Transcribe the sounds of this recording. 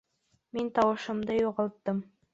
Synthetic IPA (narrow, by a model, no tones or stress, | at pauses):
mint̪ɑwɤ̆ʃɤ̆md̪ɤjuʁɑlˠt̪ːɤm